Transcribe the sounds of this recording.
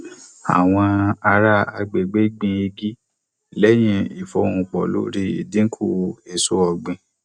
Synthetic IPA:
a̰˨w̃ɔ̃˧a˧ɾa˦a̰˧ɡ͡be˨ɡ͡be˦ɡ͡bĩ˧e˧ɡi˦ | lɛ˦j̃ĩ˧i˨fɔ˧˦ũ˧k͡pɔ̰˨lo̰˨˦ɾi˧ḭ˨dĩ˦ŋ̩˦kʰu˦˨˧e˨so˦ɔ˧˨ɡ͡bĩ˧

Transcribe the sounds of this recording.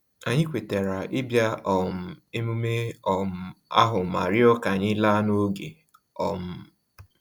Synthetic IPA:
a˨ɲɪ˦kʷe˨te˨ɾa˨ʔɪ˦bja˦ʔɔ˨m̩˨e˦mu˦me˦ɔ˨m̩˦a̰˦ɦʊ˨ma˨ɾɪ˦ɔ˦ka˨ɲɪ˦la˦no˦ɡe˨ | ɔ˨m̩˦

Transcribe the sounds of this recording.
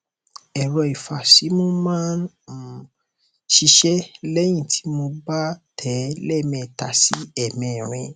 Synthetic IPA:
ɛ˨ɾɔ˧i˨fa˨si˨˦mo˦mãː˦n˨ | ʃi˧ʃɛ˦lɛ˦j̃ĩ˦˨tʰi̥˨˦mo˧ba˦tʰɛ˨˦lɛ˦˨mɛ̃˧˨ta˨si˨˦ɛ˦˨mĩ˧˨ɾ̃ĩ˧

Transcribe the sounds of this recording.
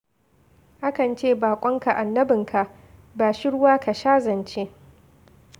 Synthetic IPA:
ʔa˦kɐ˨nt͡ʃeː˦˨baː˨kʷʼɔ˦ŋka˨ʔa˨nːɐ˦bɪ˨ŋkʰa˨ʔ | baː˨ʃɪ˦ɽʊ˦waː˦ka˨ʃaː˦zɐ˨nt͡ʃe˦ʔ

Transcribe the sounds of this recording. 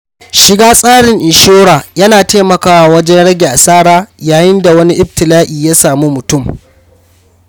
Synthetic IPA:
ʃɪ˦ɡaː˦sʼaː˦ɽɪ˨ŋʔɪ˨ʃoː˦ɽaː˨jɐ˦naː˨teː˦mɐ˨kaː˨wa˦˨wɐ˦d͡ʒɛ˦nɽɐ˦ɡʲe˨ʔa˨saː˦ɽaː˦jaː˨jɪ˦nda˨wɐ˦ni˦ʔɪ˦btɪ˨laː˦ʔiː˨jaː˦saː˨mu˦mʊ˨tʊ˦˨m

